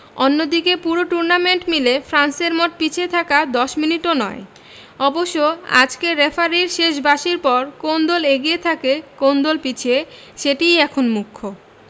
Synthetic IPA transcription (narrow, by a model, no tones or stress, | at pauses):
onːod̪ikepuɾoʈuɾnameɳʈmilefɾanseɾmoʈ̪̚pit͡ɕʰet̪ʰakad̪ɔʃminiʈonɔe | ɔboʃːoa̰d͡ʑkeɾefʰaɾiɾʃeʃ̬baʃiɾpɔɾkond̪oleɡijet̪ʰakekond̪olpit͡ɕʰe | ʃeʈijɛkʰonmukʰːo